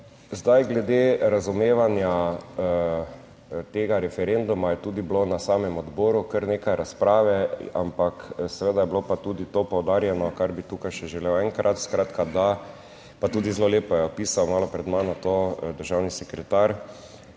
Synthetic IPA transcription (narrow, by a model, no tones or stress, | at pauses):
zd̪ajɡlɛd̪eɾazumeːʋanja | t̪eːɡaɾɛfɛɾend̪umajɛt̪uːd̪iblonasaːmɛmɔd̪bɔːɾukəɾneːkajɾaspɾaːʋɛa̰mpaksɛʋed̪ajɛblopat̪uːd̪it̪opɔwd̪aːɾjɛnɔkaɾbit̪uːkajʃɛʒɛlewɛŋkɾʔat̪skɾat̪kad̪a | pat̪uːd̪izloleːpɔjɛɔpiːsawmaːlɔpɾɛd̪manɔt̪od̪əɾʒawnisɛkɾɛt̪aɾ